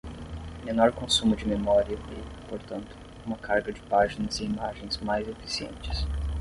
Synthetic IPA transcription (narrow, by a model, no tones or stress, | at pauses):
menɔɾkõsũmʊd͡ʒɪmemɔɾiɐɛpoɾt̪ɐ̃nt̪ʊ̥ | ũmɐkʰaɾɡɐd͡ʒɪpaʒinɐzɪimaʒẽj̃zmajzefi̥siḛ̃nt͡ʃɪ̥s